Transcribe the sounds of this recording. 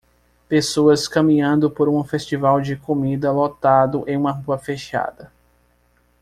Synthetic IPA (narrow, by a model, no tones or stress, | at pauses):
pesoɐskɐ̃mĩɲɐ̃nd̪ʊpoɾũfest͡ʃivawd͡ʒɪkomid̪ɐlot̪ad̪ʊʔẽj̃ũmɐɦuɐfeʃa̰d̪ɐ